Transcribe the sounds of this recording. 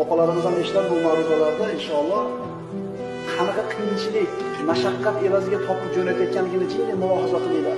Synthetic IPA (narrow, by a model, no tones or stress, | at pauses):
ɒpalaɾɪmɪzane̞ʃɪlap̚bʊmawɾɪd̪alaɾd̪aɪnʃɒlˠːɒ | hanɨqɑqʰɨjɪnt͡ʃʰɪlɪkʲ | maʃaqːat̪e̞vazɪɡʲat̪ʰɒpʰɨp̚d͡ʒolajt̪ʰjɔt̪̚kʲʰanlːɪɡʲɪnɪt͡ʃʰɪnd̪emʊɒɦazaqʰɨlˠɪjlad̪